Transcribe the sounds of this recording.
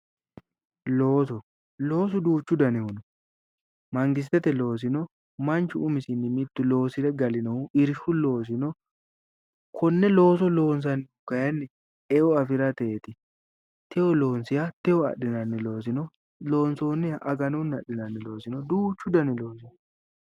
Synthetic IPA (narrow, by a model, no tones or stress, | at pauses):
lo̞ːs̬ɔ | lo̞ːs̬ʊd̪uːt͡ʃːʊd̪ɐnɪhʊnɔ | mɐŋɡɪs̬t̪ːɛt̪ɛlo̞ːs̬ɪnɔ | mɐnt͡ʃʊʊmɪsɪnːɪmɪt̪ːʊlo̞ːsɪd̪ɛɡɐlɪnɐhʊɪɾʃʊlo̞ːs̬ɪnɔ | kʰɔnːɛlo̞ːs̬ɔlo̞ːns̬ɐnːɪʊkːɐjɐnːɛ | ɛʔɔɐfɪɾɐt̪eːt̪ɪ | t̪ʰɛɔlo̞ːnsɪjɐt̪ɛɔɐ̰ɗɪnɐnːɪlo̞ːs̬ɪnɔ | lo̞ːnsoːnɪjɐʔɐɡɐnunːɐɗːɪnɐnːɪlo̞ːsɪnɔd̪uːt͡ʃːʊd̪ɐnɪlo̞ːsɪn